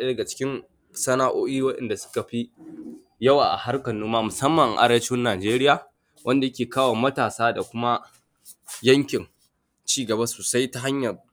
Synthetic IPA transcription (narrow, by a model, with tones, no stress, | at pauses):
e˦dɐ˨ɡa˨t͡ʃɪ̥˦kʲɪ˦n | sɐ˦naː˦ʔoː˦ʔiː˦wɐ˦ɗɛ̰˨nda˨sʊ̥˦ka˨ɸi˦ | jɐ˦waː˨ʔa̰˨ha˦rkɐ˨nːuː˦mːaː˦mʊ˨sɐ˦mːɐ˨ŋ˨ʔa̰˦ɽɐ˦t͡ʃɪ˦nːaː˨d͡ʒeː˦ɾɪ˦jaː˨ | wʔɐ˦nda˨jɐ˦kʲeː˨kaː˦waː˨mɐ˦taː˨saː˦da˨kʷʊ˦ma˦ | jɐ˦ŋkʲɪ˨n | t͡ʃiː˦ɡɐ˨ba˦soː˨sa˦jta˨ɦa˦ɲjɐ˨r